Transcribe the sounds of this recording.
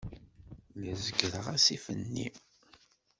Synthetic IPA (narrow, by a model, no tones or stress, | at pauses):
jəzəɡəɾəʁæsifənːḭ